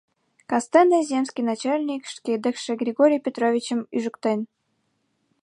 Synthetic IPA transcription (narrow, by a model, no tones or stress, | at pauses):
kɑst̪ɛnd̪əzʲemskʲijnat͡ɕalʲnʲikʃt̪kʲed̪əxʃɘ̆ɡɾʲɪɡoɾʲijpʲet̪ɾovʲit͡ɕə̆myʒə̆kt̪ə̆nʲ